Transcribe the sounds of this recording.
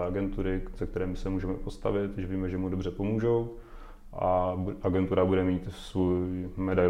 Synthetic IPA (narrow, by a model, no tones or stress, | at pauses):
ɛːaɡɛnt̪uɾɪz̥ɛk̚t̪ɛɾɛːmɪsɛmuːʒɛmɛpo̞st̪a̰vɪt̪ʒɛviːmɛʒɛmudo̞br̝ɛpo̞muːʒow | ʔabʔaɡɛnt̪uɾabudɛmiːt̪svujmɛdaj